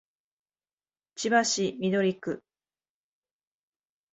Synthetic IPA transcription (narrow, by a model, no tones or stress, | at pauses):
t͡ɕibaɕimʲid̪o̞ɾʲikɯ̟